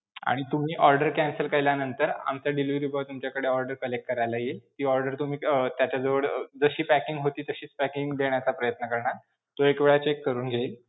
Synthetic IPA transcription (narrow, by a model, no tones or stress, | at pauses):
a̰ɽ̃it̪um̤iːʔɔɾɖəɾkænsəlkəɾljanənt̪əɾa̰mt͡saɖiliʋɾibʱat̪umt͡ɕjakəɽeɔɾɖəɾkəlek̚ʈ̚kəɾajlajet̪iːɔɾɖəɾt̪um̤iːət̪jat͡ɕad͡zəʋəɽd͡zəɕiːpækiŋɡɦot̪iːt̪əɕiːt͡spækiŋɡd̪eɳ̃jat͡sapɾəjət̪nəkəɾɳa | t̪oekʋeɭat͡ɕekːəɾuːnɡʱeːl